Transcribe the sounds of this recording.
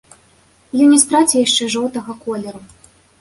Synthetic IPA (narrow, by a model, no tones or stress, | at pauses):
junʲist̪ɾat͡sʲɛjaʂt͡ʂɛʐɔwt̪ɐɣɐkɔlʲɛɾu